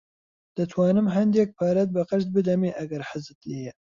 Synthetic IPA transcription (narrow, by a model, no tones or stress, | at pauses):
d̪̥ɨt̪ʰwɑːnɨmɦɐnd̪jɛk̚pʰɑːɾɛt̪̚bɨqɨʃt̪̚bɨd̪ɛmeːʔɐɡɐɾħəzɨt̪leːjɛ